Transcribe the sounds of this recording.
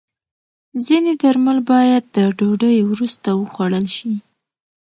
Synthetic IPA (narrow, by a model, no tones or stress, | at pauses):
zined̪aɾmalbɑjad̪̚ːəɖoɖəjwɾust̪awəxwaɽəlʃi